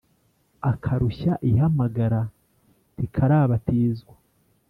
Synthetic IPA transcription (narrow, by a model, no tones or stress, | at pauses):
akʰaɾuçaʔiɦamaɡaɾa | tikʰaɾaːβatiːzɡwa